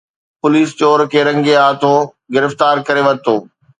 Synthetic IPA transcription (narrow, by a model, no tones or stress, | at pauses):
pʊliːst͡ɕoːɾkʰeːɾɐ̃ŋɡeaːt̪ʰõ | ɡɪɾɪft̪aːɾkɐɾeʋɐɾt̪ʰoː